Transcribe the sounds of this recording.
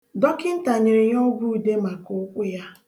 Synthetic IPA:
dɔ˦kɪ˦n̩˦ta˨ɲɪ˨ɾɪ˨ɲ˦ɔ˦ɡu˦˨de˦ma˨kʊ˨˦kʷʊ˦ja˦

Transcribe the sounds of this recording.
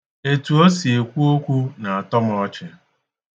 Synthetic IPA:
e˨tu˨o˦si˨e˨kʷu˦o˦kʷu˦na˨a˨tɔ˦m˦ɔ˦t͡ʃe˨

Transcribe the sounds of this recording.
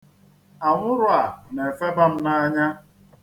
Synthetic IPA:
a˨ŋʷʊ˦ɾʊ˦a˨ne˨fe˦ba˦m̩˦na˦ɲa˦

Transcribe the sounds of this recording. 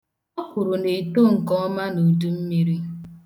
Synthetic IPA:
ɔ˦kʊ˨ɾʊ˨ne˨to˦˨ŋ̩˨kɔ˦ma˦no˨du˦m̩˦mi˦ɾi˦

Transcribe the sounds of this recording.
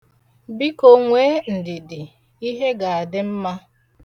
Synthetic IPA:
bi˦ko˨ŋʷeː˦n̩˨dɪ˨dɪ˨ | i˦ɦe˦ɡa˨a˨dɪ˦m̩˦ma˦

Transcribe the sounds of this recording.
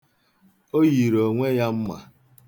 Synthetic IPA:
o˦ji˨ɾo˨ŋʷe˦ja˦m̩˦ma̰˨

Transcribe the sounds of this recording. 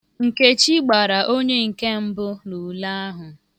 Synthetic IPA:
ŋ̩˨ke˦t͡ʃi˦ɡ͡ba˨ɾa˨ʔo˦ɲe˦ŋ̩˨ke˦m̩˦bʊ˦nu˨la˦a˦ɦʊ˨

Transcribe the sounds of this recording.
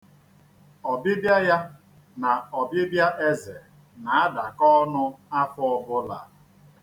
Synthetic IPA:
ɔ˨bɪ˦bja˦ja˦ | na˨ɔ˨bɪ˦bja˦ʔe˦ze˨ | na˨a˦da˨kɔ˦nʊ˦a˦fʊ˦ɔ˨bʊ˦la̰˨

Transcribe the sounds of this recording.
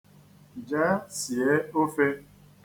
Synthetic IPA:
d͡ʒa˦si˨e˦o˦fe˦

